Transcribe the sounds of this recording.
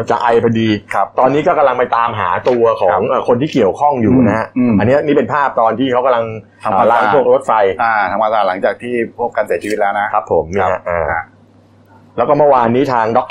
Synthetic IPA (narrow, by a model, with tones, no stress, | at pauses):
t͡ɕa˨˩ʔa˧jpʰa˧diː˧˦t̪ɔː˧nːiː˦˥kɔː˥˩ka˧mla˧ŋpa˧jt̪aː˧mɦaː˩˦t̪u˧ɐkʰɔː˩˨˦ŋʔəː˨˩kʰo˧nt̪ʰiː˥˩ki˨˩əwkʰɔ˥˩ŋjuː˨˩na˦˥a˦˥˧a˧nːi˦˥ɐʔniː˦˥pe˧npʰaː˥˩p̚t̪ɔː˧nt̪ʰiː˥˩a˦˥wka˧mla˧ŋʰ | a˧˨a˧la˦a˥ŋʰ˥u˥˩ək̚ɾo˦˥t̪̚fa˧jaː˧˩t̪ʰa˧ma˧t̪aː˧˩la˩˦ŋt͡ɕaː˨˩k̚t̪ʰiː˥˩pʰu˥˩ka˧nsi˩˦t͡ɕʰiː˧w̪̚lɛː˦˥na˦˥kʰa˦˥pʰːo˩˦mniː˥˧˦ha˦˧˩ʔaː˨˩˧ | lɛː˦˥kɔː˥˩mɯ˥˩waː˧nːiː˦˥t̪ʰaː˧ŋdɔ˦˥k̚